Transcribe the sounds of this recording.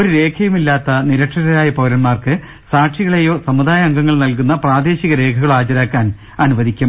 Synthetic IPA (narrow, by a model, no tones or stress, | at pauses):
oɾuɾe̞ːkʰɐjumilːaːt̪ːɐniɾɐʈʂɐɾɐɾaːjɐpɐːɾɐnmaːrkɨ | saːʈʂiɣɐɭejo̞ːsɐmud̪aːjɐɐŋɡɐŋːɐɭnɐlkunːɐpraːd̪e̞ːɕiɣɐɾe̞ːkʰɐɣɐɭaːt͡ɕɐɾaːkːaːn | ɐnuʋɐd̪ʱikʲːum